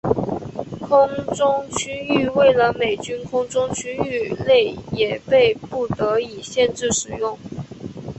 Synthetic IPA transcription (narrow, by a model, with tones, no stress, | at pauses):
kʰʊ˥ŋʈ͡ʂʊ˥ŋt͡ɕʰy˥ny˥˧we˥˩ɪlə˧˦me˨˩ɪt͡ɕy˥nkʰʊ˥ŋʈ͡ʂʊ˥ŋt͡ɕʰy˥ny˥˧le˥˩ɪjɛ˨˩pe˥˧ɪpu˥˩t̪ɤ˧˥i˨˩ɕjɛ˥˧nʈ͡ʂɻ̩˥˩ʂɻ̩˨˩jʊ˥˩ŋ